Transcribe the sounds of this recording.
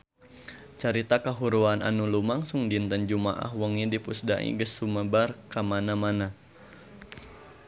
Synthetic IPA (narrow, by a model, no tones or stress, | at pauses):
t͡ʃaɾit̪akaɦuɾuanʔa̰nulumaŋsuŋdint̪ənd͡ʒumaʔa̰ɦwəŋidipusdaʔḭɡəsuməbarkamanamana